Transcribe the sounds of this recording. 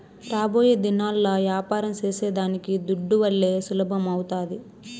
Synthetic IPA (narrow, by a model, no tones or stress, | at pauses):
ɾaːbo̞ːjeːd̪inaːlːɐːʋjaːpaːɾɐmt͡ʃeːseːd̪aːnikid̪uɖːuʋɐɭːe̞ːsulɐbʱɐmɐwt̪aːd̪i